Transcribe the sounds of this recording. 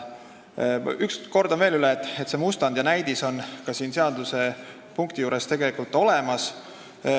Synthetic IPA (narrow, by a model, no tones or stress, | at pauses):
yksko̞rd̪o̞nve̞ːlyleːt̪ːˑet̪ːsemust̪ɑnd̪̥jɑnæjd̪̥iso̞nkɑsiːnse̞ɑd̪̥use̞ | puŋk̚t̪ijuːɾe̞st̪e̞ɡe̞likult̪ːˑo̞le̞mɑs